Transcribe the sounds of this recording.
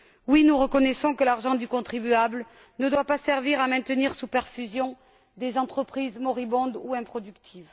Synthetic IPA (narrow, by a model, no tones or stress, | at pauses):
winuʁəkɔnɛsɔ̃kəlaʁʒɑ̃d̪ykɔ̃t̪χibyabl | nəd̪wapasɛʁviʁamɛ̃t̪əniʁsupɛʁfyzjɔ̃ | d̪ezɑ̃t̪χəpχizmɔʁibɔ̃d̪uɛ̃pχɔd̪ykt̪ʰiv